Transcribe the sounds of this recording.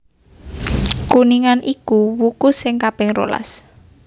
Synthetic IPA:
kuniŋanʔikuwukʊsɪŋkab̥ɪŋro̰la̰s

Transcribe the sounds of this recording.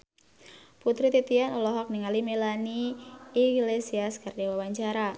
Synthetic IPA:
put̪ɾit̪it̪ianɔlɔɦɔk̚niŋalimelaniː | ɡlesiaskardewawaɲt͡ʃaɾa

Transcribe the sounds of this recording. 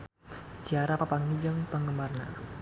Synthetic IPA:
siaɾapapaŋid͡ʒəŋpəŋɡəmbarna̰

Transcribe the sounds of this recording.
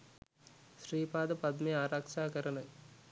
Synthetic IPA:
ʃɾiːpaːd̪ɐpɐd̪meaːɾaːkʃaːkɐɾɐnɐ

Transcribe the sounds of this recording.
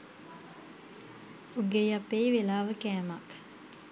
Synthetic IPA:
uɡejapːeiʋelaːʋəkæːmɐk

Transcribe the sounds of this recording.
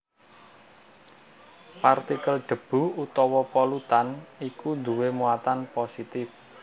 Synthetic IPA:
part̪ikəlɖ̥ə̤b̥ṳut̪ɔwɔpɔlut̪anikund̪uwemuat̪anposit̪ɪf

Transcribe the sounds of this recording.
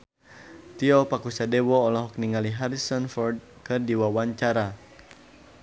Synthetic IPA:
t̪iɔpakusadɛwɔːlɔɦɔkniŋaliɦaɾisɔnfɔrd̚ | kɨrdiwawaɲt͡ʃaɾa

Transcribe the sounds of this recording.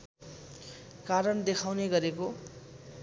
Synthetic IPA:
kaɾʌnd̪ekʰawneɡʌɾeko

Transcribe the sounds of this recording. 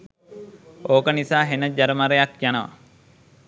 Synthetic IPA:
oːkənisaːɦenəd͡ʒaɾəmaɾejakjanəʋa̰

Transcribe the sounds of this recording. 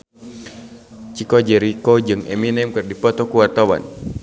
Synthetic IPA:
t͡ʃikɔd͡ʒɛɾikɔd͡ʒɨŋɛ̰minɛmkɨrdipɔt̪ɔkuwart̪awa̰n

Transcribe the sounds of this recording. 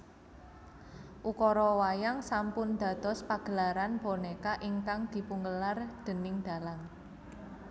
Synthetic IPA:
ʔukɔɾɔwajaŋsampʊnd̪̥ä̤d̪̥ɔ̤spaɡ̥ə̤laɾanbɔnekaʔiŋkaŋd̪̥i̤puŋɡəlard̪̥ə̤nɪŋd̪̥a̤laŋ

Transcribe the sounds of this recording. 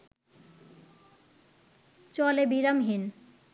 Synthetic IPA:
t͡ɕɔlebiɾamɦin

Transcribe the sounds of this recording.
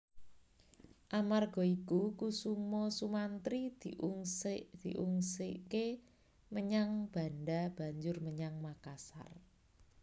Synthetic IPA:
ʔamarɡ̥ɔ̤ikukusumɔsumant̪ɾid̪̥iʔuŋsd̪̥iʔuŋsike | məɲaŋb̥a̤nɖab̥a̤ɲd͡ʒʊrməɲaŋmakasa̰r

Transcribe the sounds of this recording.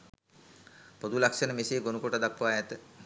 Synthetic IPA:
pod̪ulakʂənəmeseːɡonukoʈəd̪akːʋajɛt̪ə

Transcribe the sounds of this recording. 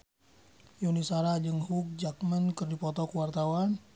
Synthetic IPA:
junisaɾad͡ʒəŋhuk̚d͡ʒak̚mənkərdipɔt̪ɔkəwart̪awan

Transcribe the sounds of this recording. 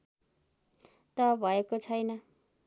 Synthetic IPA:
t̪ʌbʱʌekot͡sʰʌjnʌ

